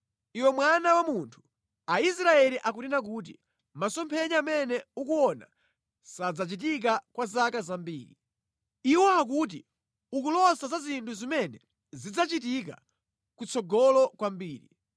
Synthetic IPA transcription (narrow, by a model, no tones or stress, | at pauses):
iwɛmwanawamuntʰu̥ | ais̬ɾaɛliʔak̬utinak̬uːt̬i | masɔmpʰɛɲaːmɛnɛukuɔna̰ | sad͡zat͡ʃit̬ik̬akwazakazambiːɾi | iwɔak̬ut̬i | uk̬ulɔsazazintʰuzimɛnɛ | zid͡zat͡ʃit̬ik̬a̰ | kut͡sʰɔɡɔlɔkwambiːɾi